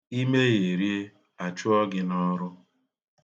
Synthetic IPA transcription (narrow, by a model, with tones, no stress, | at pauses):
i˦me˦je˨ɾi˦e˦ | a˨t͡ʃʊ˦ɔ˦ɡɪ˦nɔ˦ɾʊ˦